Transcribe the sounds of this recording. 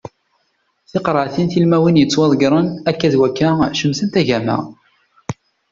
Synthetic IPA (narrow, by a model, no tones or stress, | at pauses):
θɪqɾˤəʕθinθilmæwinjət͡sːwɑðˤɡɾˤənækːæðwækːæʃəmsənt̪æʝæmæ̰